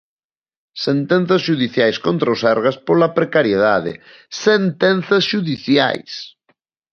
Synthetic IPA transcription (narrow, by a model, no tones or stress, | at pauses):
sent̪ɛn̟θɐsʃuðiθjajskont̪ɾaosɛɾɣɐspolɐpɾekaɾjeðaðɪ̰ | sent̪ɛnθɐsʃuðiθja̰js